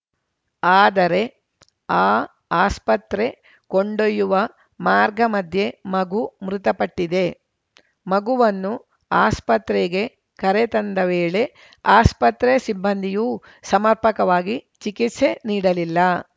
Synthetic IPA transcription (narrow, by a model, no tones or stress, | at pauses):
aːd̪ɐɾe̞ | aː | aːspɐt̪ɾe̞ | koɳɖojːuʋɐ | maːɾɡɐmɐd̪ʱje̞mɐɡumɾut̪ɐpɐʈːid̪e̞ | mɐɡuʋɐnːu | aːspɐt̪ɾeɡe̞ | kɐɾet̪ɐnd̪ɐʋeːɭe̞ | aːspɐt̪ɾesibːɐnd̪ʱijuː | sɐmɐɾpɐkɐʋaːɡit͡ʃikit̪se̞niːɽɐlilːɐ